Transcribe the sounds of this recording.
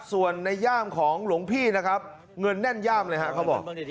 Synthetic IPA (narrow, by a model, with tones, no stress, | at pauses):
su˨˩ənːa˧jːaː˥˩mkʰɔː˩˦ŋlu˩˦ŋpʰiː˥˩na˦˥kʰɾa˦˥p̚ | ŋɤ˧nːɛ˥˩njaː˥˩mlɤː˧jɦa˦˥ʔkʰa˦˥wbɔ̰ː˨˩k̚